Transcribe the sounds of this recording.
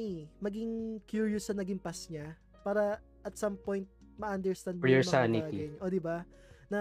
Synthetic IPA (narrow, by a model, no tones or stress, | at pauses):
mɐɡɪŋkjuːɹjʊsːɐnɐɡɪmpɐsɲa | paːɾɐ | ʔɐt̪sɐmpo̞jnt̪̚ | mɐʔɐnd̪ɛɹst̪and̪mɛɹɐsanɪtːɐiɡɛnʔod̪ɪba | nɐ